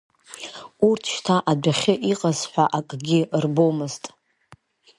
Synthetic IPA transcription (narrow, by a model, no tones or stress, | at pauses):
urtʰʃtʰaʔadaχʲɪʔiqʼazħʷᶣaʔakʼɡʲɪrbomɨztʼ